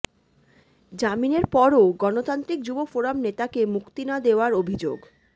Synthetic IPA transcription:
d͡ʑamineɾpɔɾoɡɔnot̪ant̪ɾik̚d͡ʑubofoɾamnet̪akemukt̪inad̪eoaɾobʱid͡ʑo̰ɡ

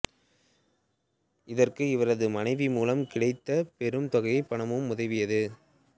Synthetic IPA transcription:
ɪðɐrkɯɪʋɐɾɐðɯmɐnɐɪʋimuːlɐmkɪɽɐɪt̪ːɐpɛɾɯmt̪ɔɣɐjɐɪpːɐɳɐmɯmːʊðɐɪʋɪjɐðɯ

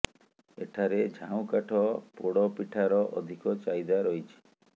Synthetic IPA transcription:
ḛʈʰaɾed͡ʒʱãw̃kaʈʰɔpoɽɔpiʈʰaɾɔʔɔ̰d̪ʱikɔt͡ʃajd̪aɾɔɦit͡ʃʰi̥

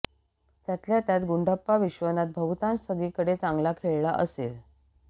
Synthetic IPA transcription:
t̪jat̪ljat̪jat̪ɡuɳɖəpːaʋiɕʋənat̪̚bʱəʋt̪ãnsəɡ̪iːkəɽet͡sãŋɡlakʰeɭlaʔəsel

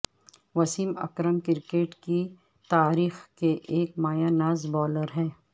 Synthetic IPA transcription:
ʋɐsiːmɐ̰kɾəmkɪɾkeːʈki | t̪aːɾiːxkeʔeːk̚maːjanaːzbɔːləɾɦɛ̃ː

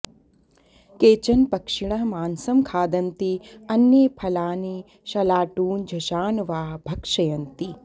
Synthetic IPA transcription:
keːt͡ʃɐnpɐkʂiɳɐɦmaːnsɐmkʰaːd̪ɐnt̪iɐnːjeːpʰɐlaːni | ʃɐlaːʈuːnd͡ʒʱɐʃaːnʋaːɦbʱɐkʂɐjɐnt̪i

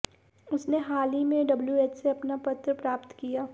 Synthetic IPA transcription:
ʊsneɦaːlimẽɖɐbljueːt͡ʃseɐpnapɐt̪ɾəpɾaːpt̪kijaː

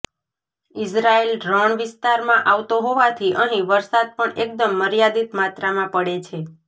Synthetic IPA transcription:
ɪsɾaelɖɾɔɳʋɪst̪aɾmãʔaʋt̪oɦoʋat̪ʰiʔəɦĩʋəɾsad̪̚pəɳek̚d̪əmːəɾijad̪it̪mat̪ɾamãpəɽet͡ʃʰe

